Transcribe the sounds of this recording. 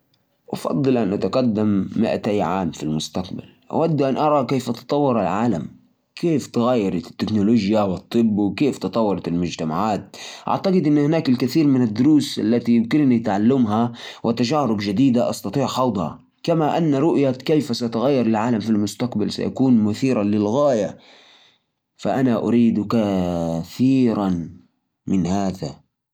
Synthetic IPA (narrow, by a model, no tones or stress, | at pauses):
ʔɑfɑ̰d̪ˤːɨlʔanʔat̪aqad̪ːamːɪ̰ʔa̰t̪ajʕaːmfilmʊst̪aqba̰l | ʔa̰wad̪ːʔanʔɑɾˤɑkeːfʔɑt̪ɑ̥t̪ˤɑwːɑɾˤɪlʕaːla̰m | kʰeːft̪ɪɣaːjːɑɾˤɑt̪ɪ̥t̪ːɪknʊloːʒjawɨt̪ˤːɨbːwɪkeːft̪ɨt̪ˤɑwːɑɾˤɑt̪ɪlmʊd͡ʒt̪amaʕaːt̪̚ʔa̰ʕt̪aqɪd̪ʔɪnːhɪnaːkɪlkɪθiːɾmɪnad̪ːʊɾuːsʔa̰lːat̪ikɪlnit̪ʕalːamɦawʔɪt̪ːaʒaːɾʊbd͡ʒad̪iːd̪aʔɑ̰st̪ɑt̪ˤiːʕħɑwd̪ˤhɑ̰ | kamaʔanːaɾˤʊʔjakejfasat̪ʊɣajːɑɾˤalʕaːlamfilmʊst̪aqbalsa̰jʔa̰kuːnmʊθiːɾalɪlɣaːja | fa̰ʔanaʔʊ̰ɾiːd̪kaθiːɾan | mɪnhaːða